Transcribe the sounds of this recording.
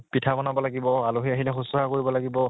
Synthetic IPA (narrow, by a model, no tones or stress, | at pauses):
pitʰabɔnabɔlaɡibɔaloɦiaɦilɛxusɔakoɹibɔlaɡibɔ